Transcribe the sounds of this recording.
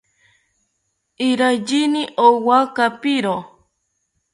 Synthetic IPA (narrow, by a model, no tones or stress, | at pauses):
iɾajd͡ʒiniʔowakapiɾo